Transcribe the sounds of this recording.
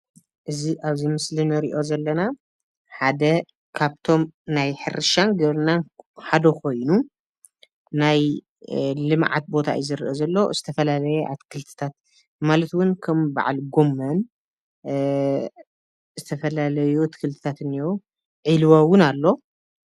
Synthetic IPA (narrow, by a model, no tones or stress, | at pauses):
ʔɨziʔaβzimɨslinɨɾḭʔo̞zɐlːɐna | ħad̪ɐ | kʰaβt̪ʰo̞mnajħɨ̰ɾɨʃanɡɐβɾɨnanħad̪ɐkʰo̞jnu | naj | lɨmʕa̰t̪̚bo̞t̪ʰa̰j̰zɨɾʔozɐlːo̞z̥ɨt̪ʰɐfɐlalɐjɛʔa̰t̪kʰɨlt̪ʰɨ̥t̪ʰat̪̚ | malɐt̪wʊnkʰɐmba̰ʕa̰lɡo̞mːɐn | zɨt̪ʰɐfɐlalɐjuat̪ʰkʰɨlt̪ʰɨ̥t̪ʰat̪ɨniwu | ʕilwawʊnalːo̞